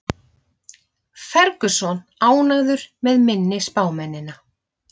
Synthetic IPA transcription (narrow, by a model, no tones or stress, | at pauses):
fɛɾkʏsɔnaːwnaɣðʏɾ̥mɛðmɪnːɪspaːwmɛnːɪna